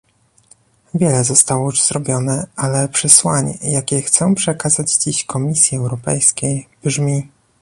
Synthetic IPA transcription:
vʲjɛlɛzɔst̪awɔjuʐz̥ɾɔbʲjɔnɛalɛpʂɛswaɲjakʲɛxt̪sɔ̃w̃pʂɛkazad͡ʑd͡ʑiɕkɔmʲisʲjiɛwɾɔpɛ̰jskʲejb̥ʐmʲi

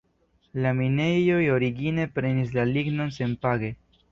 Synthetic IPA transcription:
lamine̞ojo̞ɾiɡine̞pɾe̞nis̬laliɡno̞nse̞npaɡe̞

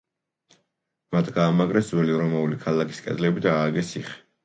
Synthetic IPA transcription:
mat̪ʰɡaːmaɡɾɛszwɛliɾɔmaulikʰalakʰi̥skʼɛ̰d̪lɛbid̪aːɡɛsiχɛ̥

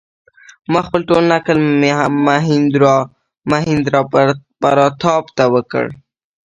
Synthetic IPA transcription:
maxpəlʈolnakəlmeɦamaɦɪnd̪ɾɑ | maɦɪnd̪ɾɑpaɾɑt̪ʰɑpt̪awəkə̰ɽ

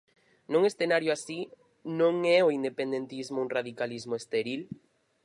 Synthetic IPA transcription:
nuŋesθenaɾjʊasi | nõŋɛoind̪epend̪ent̪izmouŋraðikalizmoest̪eɾil

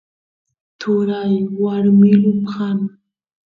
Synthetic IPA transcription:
t̪ʰʊɾajwaɾmɪlʊmhan

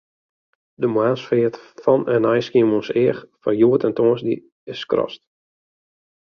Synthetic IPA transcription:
dəmwaːsfɪətfɔnɛnɛjskiəmonsɪəxfɔjuətɛntoːənsdḭ | ɪskrɔ̰st̚

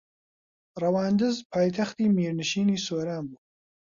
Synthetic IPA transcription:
rɐwaːnd̪ɨzpʰaːjt̪ʰɐxt̪iːmiːɾnɨʃiːniːsoːɾaːnbu

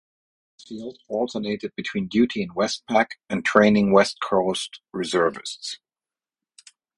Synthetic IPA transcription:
filˠdɔlˠtʰəneɪɾɨd̚bɨtʰw̥ĩndjʉɾiɨ̃nwɛst̚pʰækɨ̃ntʰɹ̥ẽɪ̃nɪ̃ŋwɛst̚kʰɔʊstɹɨzɜ˞vɨ̰sts

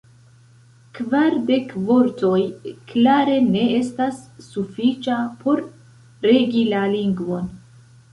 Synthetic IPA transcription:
kvaɾde̞kvo̞ɾto̞jklaɾe̞ne̞e̞stasːufit͡ʃapʰo̞ɾ | ɾe̞ɡilaliŋɡvo̞n

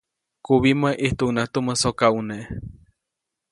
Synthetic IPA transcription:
kuβimaʔiht̪uʔunat̪uməsokauneʔ

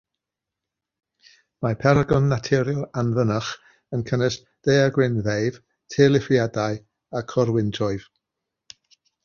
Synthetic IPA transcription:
mapʰɛɾaɡɔnːatʰɪɾjɔlˠanvənəχ | ənkʰənəs | d̥ejaɡwɪnðejv | tʰeːlˠɪfjadaɨ | akʰɔɾwɪntʰɔɨv̥

